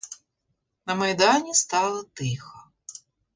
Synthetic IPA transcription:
nɐmɐjd̪ɑnʲist̪ɑlˠɐt̪ɪxɐ

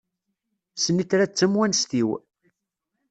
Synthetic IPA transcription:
sənːiθɾæt͡sːəmwænst̪iw

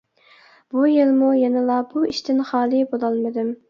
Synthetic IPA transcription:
bujelmujɛnɪlˠɑbuiʃt̪ʰɪnχɑːlˠibolˠɑlˠmɨd̪ɪm

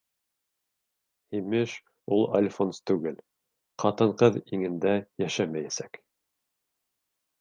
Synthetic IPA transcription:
himɘʃ | ulˠa̰lʲfonst̪ʉɡɘl | qɑt̪ɤ̆ɴqɤðiŋɘ̆nd̪æjæʃæmæjæsæk

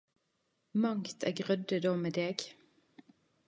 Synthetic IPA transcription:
mɑŋt̪ʰæ̰ːɡʁœd̪əd̪oːmeːd̪eːɡ

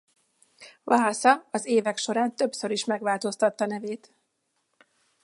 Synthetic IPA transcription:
vaːsɒɒzeːvɛkʃo̞ɾaːnt̪øbsø̞ɾiʃmɛɡʋaːlt̪o̞st̪ɒt̪ːɒnɛveːt̪

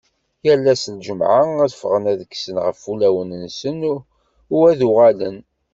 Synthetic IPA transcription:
jælːæslʒəmʕaæðfʁənæðəksənʁəfulæwənənsən | ʊwæðʊʁalən

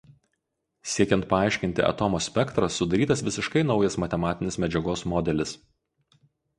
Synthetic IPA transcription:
sʲiɛkʲɛnt̪̚pɐɑˑɪʃʲkʲɪnʲt̪ʲɪ̰ʔɐ̰t̪ɔmoːsʲpʲɛkt̪ɾɐsːʊd̪ɐɾʲiːt̪ɐsʋʲɪsʲɪʃkɐɪnɒʊjɛsmɐt̪ʲɛmɑːt̪ʲɪnʲesmʲɛd͡ʒʲɛɡoːsmɔd̪ʲɛlʲɪs

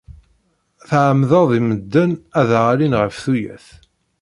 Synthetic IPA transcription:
θʕəmðəðˤiməd̪ːænæðʁalinʁəfθujæ̰θ

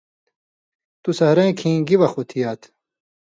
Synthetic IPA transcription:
t̪usɐhɾɐ̃ĩkʰĩːŋɡiwɐxut̪ʰijaːt̪ʰ

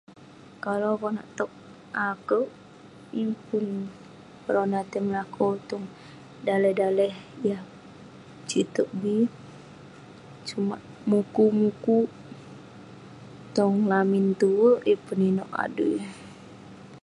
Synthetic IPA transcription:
kalokɔna̰ʔt̪ɔk̚ | akəʔ | ipun | pəɾonat̪əmlakʰɔt̪ɔŋ | dalɛhdalɛhjah | t͡ʃit̪əʔ̚bi | t͡ʃumaʔ | mukumuku | t̪ɔŋlamint̪uwəʔipuninɔʔa̰dṵj

